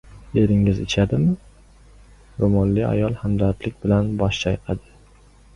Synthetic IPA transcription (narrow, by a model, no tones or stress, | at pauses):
e̞ɾɪŋɪzɪt͡ʃʰad̪ɪmɪ | ɾomɒnlia̰jɒlˠhamd̪aɾt̪lɪk̚ʲbɪlanbɒʃt͡ʃʰajqʰɑd̪ɪ